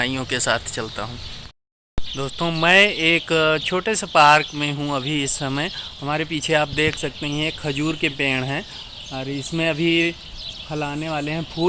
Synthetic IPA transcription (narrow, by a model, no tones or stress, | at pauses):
aːijõkesa̰ːt̪ʰt͡ʃɐlt̪a̰ɦũː | d̪oːst̪õːmɛ̃ːeːkt͡ʃʰoːʈesepaːɾkmẽɦũɐbʱiɪsːɐməjhɐmaːɾepiːt͡ʃʰeaːp̚d̪eːkʰsɐk̚t̪eɦĩeːkʰxɐd͡ʒuːɾkepeːɽ̃ɦɛ̃ː | ɔːɾɪsmẽɐbʱi | hʰɐlaːneʋaːleɦɛ̃pʰuː